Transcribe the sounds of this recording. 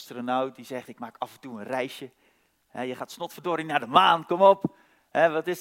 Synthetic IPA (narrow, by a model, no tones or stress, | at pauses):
stronawt̚dizɛχtɪk̚maːkafəntuənrɛjʃjə | hɛjəχaːtsnɔtfədoːɾinaːdəmaːnkɔmɔp | hɛʋɑtɪs